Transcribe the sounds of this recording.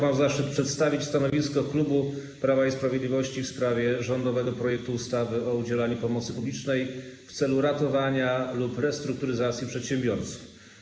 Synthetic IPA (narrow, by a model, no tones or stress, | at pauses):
mamzaʂɘt̪̚pʂɛt̪st̪avʲit͡ɕst̪anɔvʲiskɔklubu | pɾavaispɾavʲjed̪lʲivɔɕt͡ɕifspɾavʲjɛʐɔnd̪ɔvɛɡɔpɾɔjɛk̚t̪uːst̪avɘɔud͡ʑɛlaɲupɔmɔt̪sɘpublʲit͡ʂnɛjft̪sɛluɾat̪ɔvaɲalupɾɛst̪ɾuk̚t̪uɾɘzat̪sʲjipʂɛt̪ɕɛmbʲjɔɾt̪su̥f